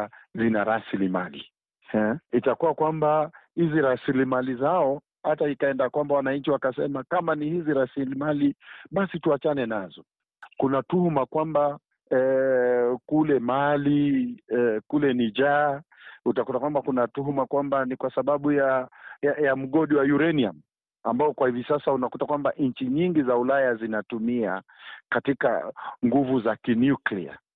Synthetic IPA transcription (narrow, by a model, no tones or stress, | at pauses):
zinaɾasilima̰lḭ | hɛitakuwakwambahiziɾasilimalizaɔ | hataikaɛndakwambawanaɲ̩t͡ʃiwakasɛmakamanihiziɾasilimaliɓasituat͡ʃanɛnazɔ | kunatuhumakwamba | ɛ | kulɛmaliɛkulɛnid͡ʒa | utakutakwambakunatuɦumakwambanikwasaɓaɓujajajam̩ɠɔɗiwajuɾɛniam | a̰mbaɔkwahivisasaunakutakwambaʔɲ̩t͡ʃiɲiŋɡizaulajazinatumiakatika̰ŋɡuvuzakinjuklḭa̰